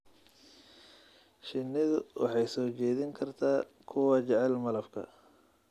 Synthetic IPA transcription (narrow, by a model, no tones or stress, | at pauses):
ʃɪnːɪðʊwʔɑ̰ħɑjsɔːt͡ʃɛːðɪŋkʰɐrt̪ʰaː | kʰʊwɑːt͡ʃɛʕɛlmɐlɐfkʰɐ̰